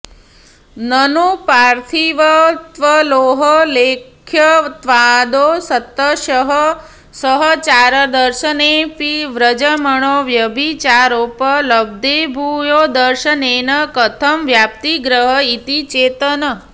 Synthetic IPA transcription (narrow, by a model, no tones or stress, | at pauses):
nənupaɾt̪ʰiʋət̪ʋəloːɦəlekʰjət̪ʋad̪osət̪ːəʃəɦə | səɦət͡ʃaɾəd̪əɾʃənepiʋɾəd͡ʒəməɳoʋjəbʱit͡ʃaɾopələb̚d̪ebʱujod̪əɾʃəneːnəkət̪ʰəmʋjap̚t̪iɡɾəɦəit̪it͡ʃeːt̪ənə